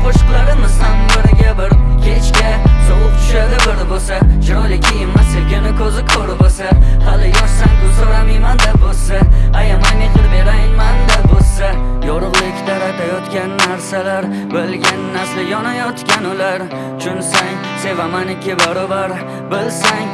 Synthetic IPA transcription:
qʰoʃɨqlˠaɾɪmɪzhambɪɾɡʲabɪɾkʲʰet͡ʃkʲasoʁʊp̚t͡ʃ̪ʰʊ̥ʃad̪ɪbɪɾbosat͡ʃʰɪɾɒlɪkʲʰijɪmːasɪlɡʲɪnɪkʰɵzɪkʰɵɾbolsahalɪjɒʃsaŋkʊzaɾamajmand̪abolsaajamajmet̪ʰɪɾbe̞ɾajmand̪abolˠsajɒɾʊʁlˠɪkʲd̪aɾat̪ʰajɒt̪kʲanːaɾsalaɾ | bɪlɡʲanːaslɪjɒnajɒt̪kʲanʊlaɾ | t͡ʃʰʊnsaŋ | se̞vamanɪkʲːɪbaɾɒbaɾ | bɪlsaŋ

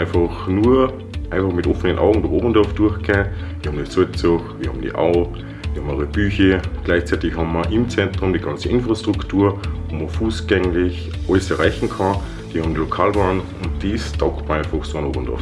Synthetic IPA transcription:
ɪnfɑxnuːɐ | ʔãɪnfɑχmɪtʔofənənʔa̰ʊɡŋ̩dʊxoːbən̩dɔɐfd̥uɐxɡ̥ʰeːnviːhɑbmndisʊt͡sʊxviːɐhɑːm̩dḭʔa̰ʊ | viɐhɑmaʁəb̥yːçəɡ̥laɪçt͡saɪtɪçhɑmːɐʔɪmt͡sɛntʁ̥ʊmdiːɡɑnt͡səʔɪnfʁastʁ̥ʊktʰuːɐvoːmɐfuːsɡ̥ɛŋlɪç | ʔɔləsɛɐʁaɪçŋ̩kʰɑ | d̥ihɑːbmndilokʰaːlbaɐn | ʊnt̚d̥istɑʊktmɐãɪnfɑχxsoano̰ːbən̩d̥ɐ̰f

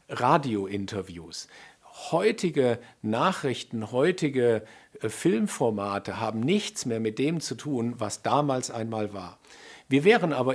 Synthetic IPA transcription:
ʁaːdioʔɪntʰɐvjṵːshɔʏtʰɪɡənaːχʁ̥ɪçtn̩hɔʏtʰɪɡəfɪlmfɔɐmaːtʰəɦaːbm̩nɪçt͡smeːɐmɪt̚d̥eːmt͡sutʰuːnvasd̥aːmaːlsʔaɪnmaːlvaːɐviːɐvɛːʁənʔaːbɐ

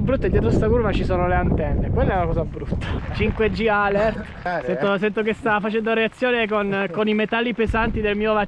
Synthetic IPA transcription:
bɾut̪ːaed̪jɛːt̪ɾost̪akurvat͡ʃisoːnoleant̪ɛnːekwelːɛlakɔːzabɾut̪ːḁt͡ʃiŋkwed͡ʒːialɛrt̪ | sɛnt̪osɛnt̪ok̬est̪afat͡ʃɛnd̪oɾeat̪sːjoːnekonkonimet̪alːipezant̪id̪elmiːova

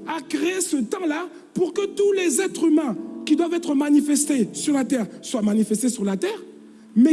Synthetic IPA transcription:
akʁeesət̪ɑ̃la | puʁkət̪ulezɛt̪χymɛ̃kʲid̪wavɛt̪χəmanifɛst̪esyʁlat̪ɛʁswamanifɛst̪esyʁlat̪ɛːʁ | mɛ

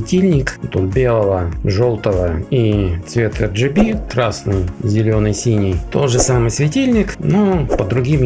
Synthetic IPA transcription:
ɪtʲilʲnʲɪkpɐt̪ombʲe̞lˠəvəʐolˠt̪əvəit̪svʲe̞t̪ɨjəʐɨbʲikɾasnɨjzʲɪlʲo̞nəjsʲinʲɪjt̪o̞ʐɨsamɨjsvʲɪtʲilʲnʲɪknopəd̪ɾʊɡʲim

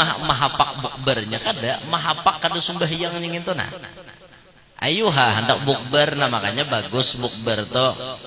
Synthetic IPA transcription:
aamaɦapak̚buk̚bərɲakadaʔmaɦapakːadasumbaɦjaŋɲaŋint̪una̰h | ʔa̰juɦaɦəndak̚buk̚bərnamakaɲabaɡʊsbʊk̚bərt̪o

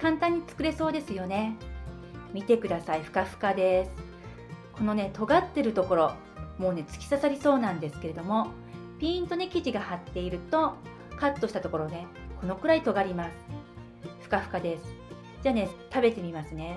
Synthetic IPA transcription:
kãnt̪ãɲ̟ːit͡sɨ̥kɯ̟ɾe̞so̞ːd̪e̞sɨjo̞ne̞ | mʲit̪e̞kɯ̟d̪asaiɸɯ̟̥kaɸɯ̟̥kad̪e̞sɨ̥ | ko̞no̞ne̞t̪o̞ɡat̪ːe̞ɾɯ̟t̪o̞ko̞ɾo̞ | mo̞ːne̞t͡sɨ̥kʲi̥sasaɾʲiso̞ːnãnd̪e̞sɨ̥ke̞ɾe̞d̪o̞mo̞ | pʲĩːnt̪o̞ne̞kʲiʑiɡahat̪ːe̞iɾɯ̟t̪o̞ | kat̪ːo̞ɕi̥t̪at̪o̞ko̞ɾo̞ne̞ | ko̞no̞kɯ̟ɾait̪o̞ɡaɾʲimasɨ̥ | ɸɯ̟̥kaɸɯ̟̥kad̪e̞sɨ̥ | d͡ʑaːne̞t̪abe̞t̪e̞mʲimasɨne̞

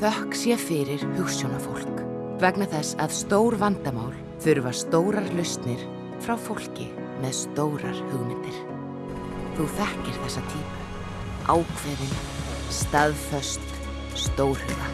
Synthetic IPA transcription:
θœhksjɛfɪɾɪɾ̥hʏxsjownafowl̥k | vɛknaθɛsːaðst̪oːwɾvant̪amaːwl | fʏɾvḁst̪oːwɾaɾlʏst̪nɪɾ̥ | fɾawfowl̥cɪ | mɛðst̪oːwɾaɾ̥hʏɣmɪnt̪ɪɾ̥ | θuθɛhcɪɾ̥θɛsːat̪ʰiːpa | aːwkʰvɛðɪn | st̪aðfœst̪ | st̪oːwɾ̥hʏɣa

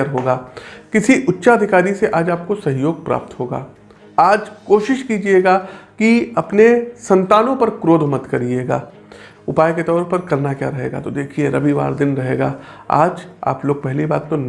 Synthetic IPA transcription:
əɾɦoːɡaːkɪsiʔʊtːʃaɐd̪ʱɪkaːɾiseʔaːd͡ʒaːp̚kosɐɦjoːɡ̚pɾa̰ːp̚t̪ɦoːɡa̰ː | aːd͡ʒkoːʃɪʃkid͡ʒieːɡaːkiɐpnesɐ̃nt̪aːnõpɐɾkɾoːd̪ʱmɐd̪kɐɾieːɡa̰ː | ʊpaːjket̪ɔːɾpɐɾkɐɾnakja̰ːɾɐɦḛːɡa̰t̪od̪eːkʰieɾɐbiʋa̰ːɾd̪ɪnɾɐɦḛːɡa̰ːa̰ːd͡ʒa̰ːploːɡ̚pɛɦlibaːt̪ːon

